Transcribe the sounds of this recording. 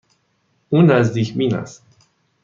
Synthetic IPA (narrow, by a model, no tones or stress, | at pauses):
uːnːæzd̪iːcʰmiːnæ̰s